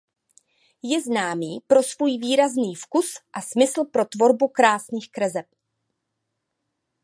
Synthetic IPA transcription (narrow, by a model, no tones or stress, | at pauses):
jɛznaːmiːpɾo̞svuːjviːɾazniːfkusʔasmɪsl̩pɾo̞t̪vo̞ɾbukɾaːsniːxkɾɛzɛp̚